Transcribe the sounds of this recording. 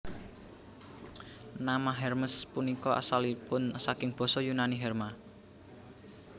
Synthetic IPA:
namaɦɛrməspunikɔa̰salipʊnsakɪŋb̥ɔ̤sɔjunaniɦɛrma

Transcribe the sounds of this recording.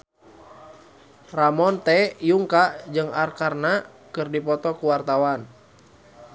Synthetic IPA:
ramɔnt̪ɛjuŋkaʔd͡ʒɨŋarkarna | kɨrdipɔt̪ɔkuwart̪awan

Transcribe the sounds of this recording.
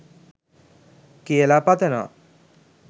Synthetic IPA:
kelapat̪enʌ̰

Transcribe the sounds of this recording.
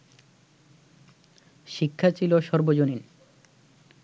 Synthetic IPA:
ʃikʰːat͡ɕʰiloʃɔɾbod͡ʑonin

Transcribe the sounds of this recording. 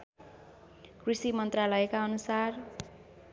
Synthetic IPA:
krisimʌnt̪ralʌekaʌnusar

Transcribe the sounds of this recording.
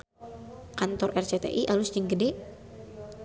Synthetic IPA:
kant̪ɔrʔɛrt͡ʃet̪ḛʔiʔalʊsd͡ʒəŋɡəde

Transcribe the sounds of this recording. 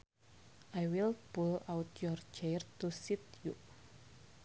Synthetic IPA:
ʔajwilpulawt̪jɔrd͡ʒɛrt̪usit̪ju

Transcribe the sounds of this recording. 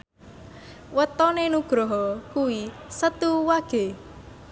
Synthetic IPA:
wət̪ɔnenuɡ̥ɾɔɦɔkuwi | sət̪uwaɡ̥e

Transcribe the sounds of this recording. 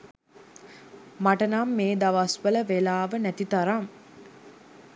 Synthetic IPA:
maʈənamːeːd̪aʋasʋələʋelaːʋənæt̪it̪aɾam

